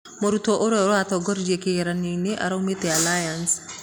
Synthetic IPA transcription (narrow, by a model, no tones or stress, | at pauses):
moɾutoʔoɾɛoɾoatɔɡɔɾid͡ʒiekeɣeɾanineʔa̰ɾaumetealajans